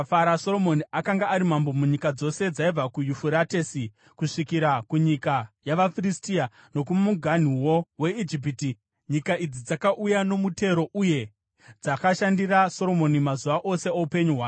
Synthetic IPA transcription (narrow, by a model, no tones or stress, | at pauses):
aɾaso̞ɾo̞mo̞niakaŋɡaːɾimambo̞muɲikad͡zo̞se̞d͡zaib͡vakujufuɾate̞si | kuʂikiɾakuɲikajaʋafiristia | no̞kummuɡʱan̤iwowe̞id͡ʒip̬iti | ɲikaʔid͡zid͡zakaʔujano̞mute̞ɾo̞ʔuje̞ | d͡zakaʃandiraso̞ɾo̞mo̞nimazuʋaʔo̞se̞oupe̞ɲuɦwaː